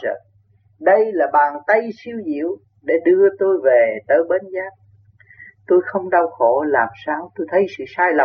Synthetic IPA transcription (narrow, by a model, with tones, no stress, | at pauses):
ə̰˧˩ | ɗə˧jlaː˨˩ɓaː˨˩nt̪ə˧jsi˧əwɲḭ˧˨əw | ɗe˧˩ɗɨ˧ət̪o˧jve˨˩t̪əː˨˦jɓe˨˦nzaː˦˥t̚ | t̪o˧jxə˧wŋ͡mɗa˧wxo˧˩laː˨˩msaː˧wt̪o˧jt̪ʰə˨˦jsɨ̰˧˨saː˧jla˨˩